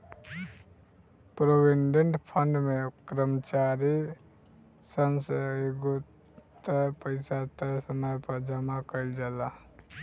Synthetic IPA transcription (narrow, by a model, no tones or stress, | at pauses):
pɾobiɳɖeɳʈpʰəɳɖmekɾəmt͡ʃaɾi | sənseɡo | t̪əpəɪsat̪əsəməjpəɾd͡ʒəmakəjld͡ʒala